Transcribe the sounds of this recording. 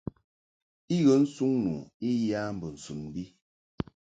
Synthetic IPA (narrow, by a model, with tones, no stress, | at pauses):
i˦ɣə˨˦n̩˦su˦ŋnṵː˨i˦ja˦m̩˨bə˨n̩˨su˨nm˦bi˦